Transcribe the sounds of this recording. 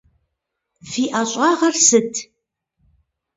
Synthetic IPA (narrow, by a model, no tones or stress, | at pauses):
fiːʔaːɕʷʼɑːʁɐrsɨtʰ